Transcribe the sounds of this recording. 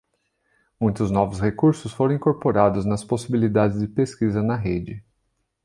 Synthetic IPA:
mũj̃t̪ʊznɔvʊshekuɾsʊsfoɾɐ̃ĩŋkoɾpoɾad̪ʊznɐsposibilid̪ad͡ʒɪzd͡ʒɪpeskizɐnɐɦed͡ʒɪ

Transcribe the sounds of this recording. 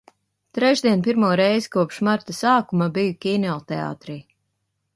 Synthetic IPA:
t̪ɾɛʒd̪ʲiɛnp̬iɾmuɔɾɛjzikuɔpʃmaɾt̪asaːkumabijukʲiːnʲɔlˠt̪ɛa̰ːt̪ɾiː

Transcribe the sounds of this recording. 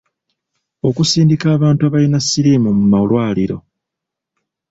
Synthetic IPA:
o̞kusiːndikaːβaːntuaβalinasːiɾeːmumumalwaːliɾo̞̰

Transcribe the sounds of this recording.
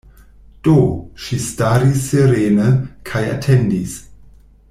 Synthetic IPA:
d̥oʃistaɾisːeɾeːnəkʰaja̰tʰendis

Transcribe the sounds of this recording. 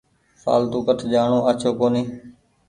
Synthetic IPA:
sa̰ːlt̪uːkəʈʰd͡ʒaːɳõːət͡ʃʰoːkoːniː

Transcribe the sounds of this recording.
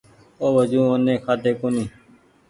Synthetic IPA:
oːʋəd͡ʒũːoːnẽːkʰaːt̪eːkonĩː

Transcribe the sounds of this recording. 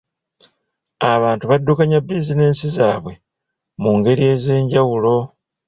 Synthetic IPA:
aβaːntuβadːukaɲabizine̞ːnsizaːβwe̞ | muŋɡe̞ɾie̞ːze̞ːɲɟawulo̞

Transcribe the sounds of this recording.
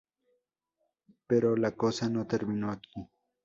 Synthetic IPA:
peɾolakosanot̪eɾminoakʰi

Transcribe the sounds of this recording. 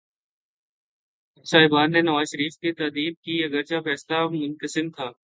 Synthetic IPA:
saːɦɪbaːnːenɐʋaːzʃəɾiːfket̪aːd̪iːb̚kiɐɡəɾt͡ʃafɛːslamʊ̃nk̪əsɪnt̪ʰaː

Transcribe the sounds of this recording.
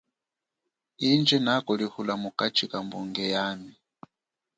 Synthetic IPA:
ind͡ʒɛnakɔlihulamukat͡ʃʰikambuŋɡɛjaːmi

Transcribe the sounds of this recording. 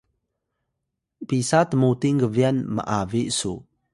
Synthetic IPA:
pisatəmutiŋɡəvianmə̰ʔaviʔsu

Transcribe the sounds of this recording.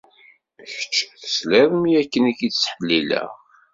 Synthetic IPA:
çə̥t͡ʃːθə̥slɪðˤəmijækːənikit͡sːsħəlːilæ̰

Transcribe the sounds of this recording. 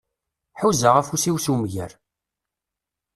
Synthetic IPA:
ħuzaʁafusiwsumʝæ̰ɾ

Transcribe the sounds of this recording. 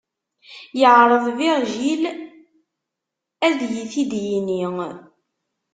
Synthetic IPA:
jəʕɾˤəðˤviɾʒil | æðjiθid̪jiniŋ

